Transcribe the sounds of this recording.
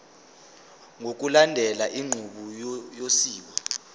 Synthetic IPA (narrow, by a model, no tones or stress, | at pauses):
ŋok̬ulandʱɛlaʔiŋ͡ǃʱuɓujosiːwa